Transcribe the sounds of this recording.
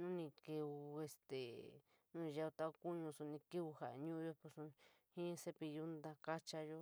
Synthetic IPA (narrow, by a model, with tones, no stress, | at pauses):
nũ˦nĩ˧ke˧u˧e˧st̪e˨ | nũ˦˧ʒa˧u˧t̪a˦˧u˧ku˦ɲũ˧su˧nĩ˧ki˦u˧ha˨˧ɲũ˦˧jo˦˧po˧su˧hĩ˦se˧pi˧ju˦nd̪a˧ka˦t͡ʃa˧jo˦